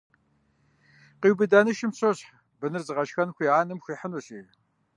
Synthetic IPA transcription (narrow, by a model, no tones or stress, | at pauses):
qiwbɨdaːnɨʃɪmɕʰoɕħ | bɨnɨrzɨʁɐʃxɐnxʷiaːnɨmxʷiːħənoɕiː